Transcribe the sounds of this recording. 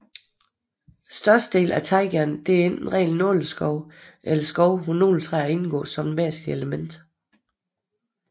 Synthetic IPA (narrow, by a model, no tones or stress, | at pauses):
sd̥ɶɐsd̥əd̥e̝̰ːlʔæt͡sʰɑ̈ɪɡ̥æɐnd̥e̝æɐe̝n̰d̥n̩ʁɛ̰ɪln̩ːɔ̰ːləsɡ̥ɒʊʔelɐsɡ̥ɒʊhuno̝̰ːlt͡sʰʁɛæɐe̝nɡ̥ɔ̰̽ːsɒ̽mʋæɐ̰sd̥ieləmen̰d̥